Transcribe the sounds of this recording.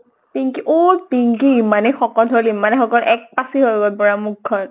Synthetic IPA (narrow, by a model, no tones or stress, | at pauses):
piŋkiʔopiŋkiimanɛxɔkɔlolimanɛxɔkɔlʔɛk̚pasiɦoɡɔpɔɹamukʰːɔn